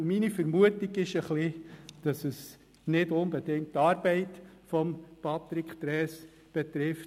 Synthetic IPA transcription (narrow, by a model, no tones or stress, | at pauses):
minifəɾmuətiɡɪʃəχlid̥ɑsəs | nɪdʊnb̥ɛdɪŋktɑːɾbɛɪt | fɔmpʰɑt̪ɾikχt̪ɾɛːs | b̥ɛt̪ɾɪf